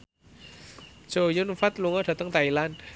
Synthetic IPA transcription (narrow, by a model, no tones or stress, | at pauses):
t͡ʃojonfat̪luŋat̪ʰat̪aŋt̪ajlan